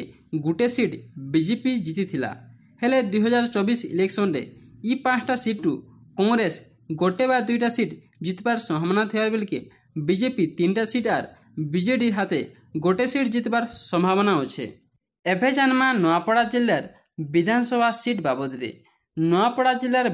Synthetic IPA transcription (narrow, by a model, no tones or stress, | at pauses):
ɡuʈesiʈbid͡ʒepid͡ʒit̪it̪ʰila̰ | heled̪ujɦɔd͡ʒaɾt͡ʃɔbisḭleksɔnɾḛipãt͡ʃʰʈasiʈɾu | kɔŋɡɾes | ɡoʈebaɾd̪ujʈasiʈ | d͡ʒit̪baɾsɔ̃mbʱabɔnat̪ʰibaɾbelike | bid͡ʒepit̪inʈasiʈaɾ | bid͡ʒeʈiɾɦat̪e | ɡoʈesiʈd͡ʒit̪baɾsɔmbʱabɔnaɦot͡ʃʰḛ | ebʱed͡ʒanmãnɔapɔɽad͡ʒilːaɾ | bid̪ʱansɔbʱasiʈbabɔt̪iɾḛ | nɔapɔɽad͡ʒilːaɾ